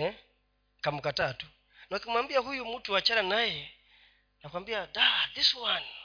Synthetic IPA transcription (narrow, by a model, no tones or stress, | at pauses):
ɛ | kamukatatu | nakimwambiaɦujumutuat͡ʃaɾanajɛ | nakwambiadaðiswani